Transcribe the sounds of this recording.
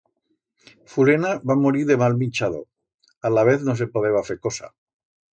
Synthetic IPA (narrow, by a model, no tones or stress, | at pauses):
fulenaβamoɾiɾðemalmĩnt͡ʃað̞o̰ | alaβ̞e̞θnos̬epoðeβafekosa̰